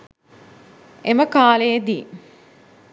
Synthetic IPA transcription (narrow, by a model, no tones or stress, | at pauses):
eməkaːlejd̪iː